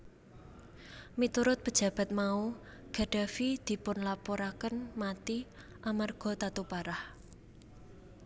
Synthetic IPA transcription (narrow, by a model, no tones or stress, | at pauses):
mit̪uɾʊt̪̚pəd̥ʒ̥a̤b̥a̤t̪̚mau | ɡ̥a̤ɖ̥a̤fid̪̥i̤pʊnlapoɾakənmat̪i | ʔamarɡ̥ɔ̤t̪at̪upaɾah